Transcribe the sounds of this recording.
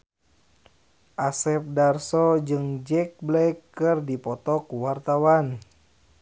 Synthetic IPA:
ʔasɛp̚darsɔd͡ʒɨŋd͡ʒɛk̚blɛjkːɨrdipɔt̪ɔkuwart̪awan

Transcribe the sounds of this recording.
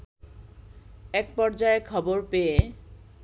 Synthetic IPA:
ɛk̚pɔɾd͡ʑaekʰɔboɾpee

